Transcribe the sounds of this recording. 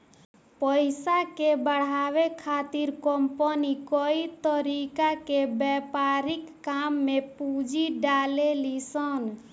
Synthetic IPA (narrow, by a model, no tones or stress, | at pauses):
pəɪsakebəɽ̤aʋekʰat̪iɾkəmpənikəit̪əɾikakebɛpaɾɪkːamːepud͡ʒʱiɖalelisən